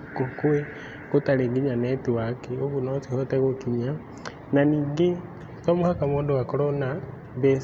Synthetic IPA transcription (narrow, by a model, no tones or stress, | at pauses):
kokue | kotaleɡiɲanɛtiwakeoβunɔt͡sihɔtɛɣokiɲa | naniɡe | komuhakamoːdowakoɾona | be